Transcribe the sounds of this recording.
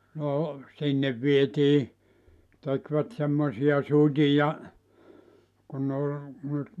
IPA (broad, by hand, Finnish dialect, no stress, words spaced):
no sinːeʋ ʋietiː tekʋæt semːosiɑ sutʲijɑ kun nĕ ol nyt